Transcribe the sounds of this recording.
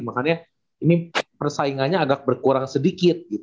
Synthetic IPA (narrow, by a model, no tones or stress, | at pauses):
makanɲa | inipərsaiŋanɲaːɡak̚bərkuɾaŋsədikɪt̪̚ɡit̪